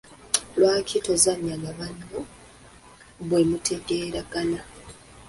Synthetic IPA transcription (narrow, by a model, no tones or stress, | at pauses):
lwaːkʰitozaɲːaɡaβanːo | βwe̞mutʰe̞ɡe̞ːɾaɡana